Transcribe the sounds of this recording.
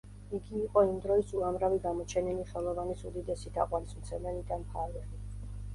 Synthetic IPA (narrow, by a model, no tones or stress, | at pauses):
iɡiːqʼɔimd̪ɾɔisuamɾaviɡamɔt͡ʃʰɛniliχɛlˠɔvanisud̪id̪ɛsid̪ʰa̰qʼwalismt̪sʰɛmɛnid̪anpʰaɾvɛli